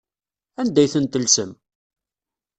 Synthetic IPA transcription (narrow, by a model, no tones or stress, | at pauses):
ænd̪æjθənt̪ːəlsəm